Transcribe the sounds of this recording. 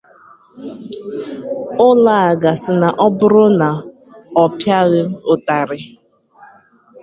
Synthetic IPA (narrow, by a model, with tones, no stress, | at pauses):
ʊ˦la˨a˨ɡa˨sɪ˨na˨ʔɔ˦bʊ˦ɾʊ˦na˨ | ɔ˨pja˦ɣɪ˦ʊ˨ta˨ɾɪ˨